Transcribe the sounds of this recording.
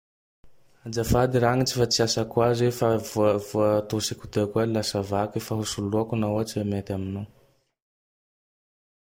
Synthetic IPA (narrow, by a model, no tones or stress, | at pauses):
ad͡ʒafad̪iɾaŋit͡si̥fat͡siasakwazefavuəvuət̪osikut̪ekuailasavakifaɦusuluakunaat͡siamet̪amino